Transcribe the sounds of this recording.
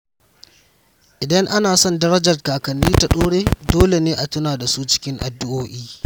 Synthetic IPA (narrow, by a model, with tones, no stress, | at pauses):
ʔɪ˨dɐ˦ŋʔa˦naː˨sɔ˦ndɐ˦ɾɐ˦d͡ʒɐ˨rkaː˨kɐ˨nːiː˦ta˨ɗoː˦ɽeː˦doː˦le˨neː˦ʔa˨tʊ˦naː˨da˨suː˦t͡ʃɪ̥˦kʲɪ˦ŋʔa̰˨dɪ˦ʔoː˦ʔiː˦